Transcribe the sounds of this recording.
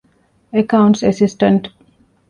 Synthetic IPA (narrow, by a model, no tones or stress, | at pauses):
ekawɳʈsesisʈəɳʈ